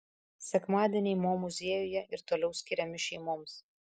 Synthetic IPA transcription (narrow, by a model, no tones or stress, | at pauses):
sʲɛkmɑːd̪ʲiɛnʲɛɪmoːmʊzʲeːjʊjɛʔɪɾt̪oːlʲɛʊsʲkʲɪɾʲɛmʲɪʃʲɛɪmoːms